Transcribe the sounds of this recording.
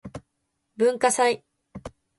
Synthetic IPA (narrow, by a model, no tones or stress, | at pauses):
bɯ̟̃ŋkasai